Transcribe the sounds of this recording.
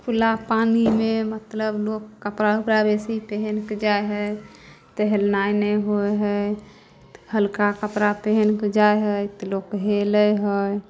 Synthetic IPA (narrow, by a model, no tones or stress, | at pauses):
pʰulapanimemət̪ləblokːəpɾaupɾabesipeɦenked͡ʒaeɦəj | t̪əɦelnajneɦojɦəj | həlkakəpɾapeɦenked͡ʒajɦəjt̪lokɦeləjɦəj